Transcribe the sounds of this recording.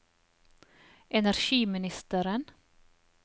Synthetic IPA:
ʔɛnæɾʃiːmɪnɪst̪əɾən

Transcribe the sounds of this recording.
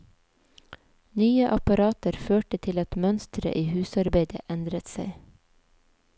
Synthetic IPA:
nyːəʔɑpɑɾɑːt̪əɾføːʈət̪ʰɪlɑt̪mœnst̪ɾə̰ʔiːhʉːsɑɾbeɪd̪ə̰ʔɛnd̪ɾət̪seɪ

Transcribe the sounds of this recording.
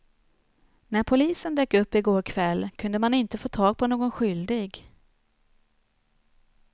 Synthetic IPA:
næɾpʰʊliːsənd̪øːkɵpːɪɡoːɾkʰvɛlːkʰɵnd̪əmanɪnt̪əfoːt̪ʰɑːɡ̚pʰɔnoːɡɔnɧʏld̪ɪɡ

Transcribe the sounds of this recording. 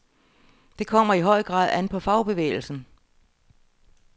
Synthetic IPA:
d̥e̝kʰɒ̽m̰ɐiɦɒ̽ɪ̰ɡ̥ʁɑ̰̈ːð̩̰ˠænpʰɒ̽fɑ̈ʊb̥e̝ʋḛːɪl̩sn̩

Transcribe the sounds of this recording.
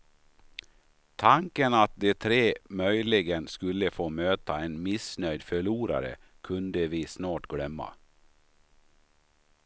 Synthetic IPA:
t̪ʰaŋkənat̪̚d̪ɛt̪ʰɾeːmœjlɪɡənskɵlːəfoːmøːt̪ʰaɛnmɪsnœʏd̪fœɭuːɾa̰ɾə̰ | kʰɵnd̪əvɪːsnɑːʈɡlœmːa̰

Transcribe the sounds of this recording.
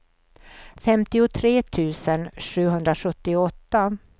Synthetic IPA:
fɛmt̪ɪʊt̪ʰɾeːt̪ʰʉ̟ːsənʂʉ̟ːɦɵnd̪ɾaɧɵt̪ːɪɔt̪ːa

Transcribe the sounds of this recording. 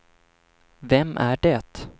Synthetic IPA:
vɛmːʔæɖɛt̪

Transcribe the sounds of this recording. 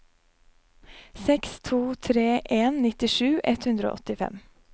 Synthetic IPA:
sɛkst̪ʰuːt̪ʰɾeːʔeːnnɪt̪ɪʃʉːʔɛt̪hʉnd̪ɾo̰ːɔt̪ɪfɛ̰m

